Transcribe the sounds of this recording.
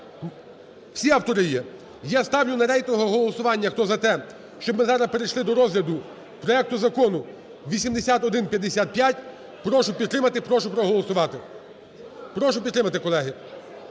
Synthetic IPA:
wsʲiɐwt̪ɔɾɪjɛ | jast̪ɑwnʲʊnɐɾɛjt̪ɔɦɔɦɔlˠɔsʊʋɑnʲːɐxt̪ɔzɐt̪ɛ | ʃt͡ʃɔbmɪzɑɾɐspeɾejʃlˠɪd̪ɔɾɔzɦlʲɐd̪ʊ | pɾɔɛk̚t̪ʊzɐkɔnʊ | ʋʲisʲimd̪esʲat̪ɔd̪ɪnpʲjɐd̪ːesʲat̪̚pʲjatʲ | pɾɔʃʊpʲid̪t̪ːɾɪmɐt̪ɪpɾɔʃʊpɾɔɦɔlˠɔsʊʋɑt̪ɪ | pɾɔʃʊpʲd̪t̪ːɾɪmɐt̪ɪkɔlˠɛɦɪ

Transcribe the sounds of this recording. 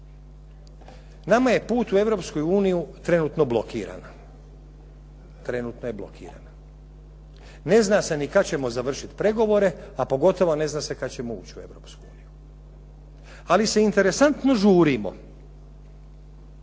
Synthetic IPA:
namaje̞puːt̪ue̞ʋɾopskojuːnijut̪ɾe̞nuːt̪no̞blo̞kʰḭːɾa̰n | t̪ɾe̞nuːt̪noje̞blˠo̞̰kʰḭːɾa̰na | ne̞znase̞nikat͡ɕe̞mo̞zaʋr̩ʃit̪pɾe̞ɡo̞ʋo̞ɾe̞apo̞ɡo̞t̪o̞ʋo̞ne̞znaːse̞kat̪t͡ɕe̞moṵːt͡ɕue̞ʋɾo̞ːpskuuːniju | alise̞int̪e̞ɾesant̪no̞ʒuːɾimo̞̰

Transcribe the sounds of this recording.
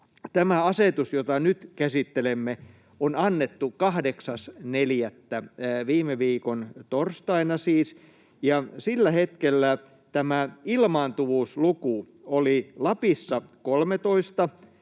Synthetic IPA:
t̪æmæɑset̪usjot̪ɑnyt̪kæsit̪ːelemːe | onɑnːet̪ːukɑhdeksɑsneljæt̪ːæʋiːmeʋiːkont̪orst̪ɑinɑsiːs | jɑsilːæhet̪kelːæ | t̪æmæilmɑːnt̪uʋuːsluku | olilɑpisːɑkolmet̪oist̪ɑ

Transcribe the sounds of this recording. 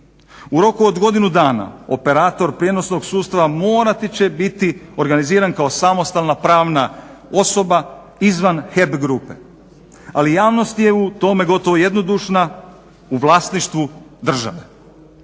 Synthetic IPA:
uɾo̞kuod̪ɡo̞d̪inud̪aːna̰o̞pe̞ɾaːt̪o̞ɾpɾije̞no̞sno̞ɡsuːt̪st̪aʋamo̞ːɾat̪it͡ɕe̞bit̪io̞ɾɡaniziːɾankao̞samo̞st̪alˠnapɾaːʋnao̞so̞ba | izʋanxe̞bɡɾuːpe̞̰ | alijaːʋno̞st̪je̞ut̪o̞me̞ɡo̞t̪o̞ʋoje̞d̪no̞d̪uʃna | uʋlˠaːsniʃt̪ʋud̪r̩ʒa̰ʋe

